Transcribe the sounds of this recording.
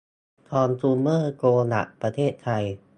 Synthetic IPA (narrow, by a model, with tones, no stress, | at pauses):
t̪ʰɔː˧nsʰuː˧nmɤː˥˩koː˧na̰˨˩ʔpɾa˧t̪ʰeː˥˩t̪ʰːa˧j